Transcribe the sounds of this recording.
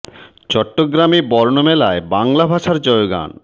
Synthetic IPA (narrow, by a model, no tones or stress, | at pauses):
t͡ɕɔʈːoɡɾamibɔɾnomɛlaebaŋlabʱaʃaɾd͡ʑɔjoɡa̰n